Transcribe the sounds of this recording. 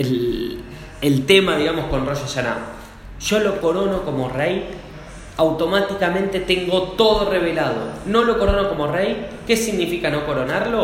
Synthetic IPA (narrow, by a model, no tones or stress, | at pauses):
el | elt̪emaðiɣamosko̞nroʃaʃana̰ | ʒo̞lo̞ko̞ɾonokomo̞rej | awt̪o̞mat̪ikamẽ̞nt̪e̞t̪eŋɡo̞t̪oðoreβ̞elað̞o̰no̞lo̞koɾonoko̞mo̞rejke̞siɣnifikano̞ko̞ɾo̞naɾlo̞